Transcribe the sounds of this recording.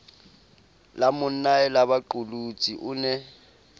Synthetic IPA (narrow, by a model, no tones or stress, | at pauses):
lamʊn̩ːaɛlaβaǃulut͡sʼiʔʊnɛ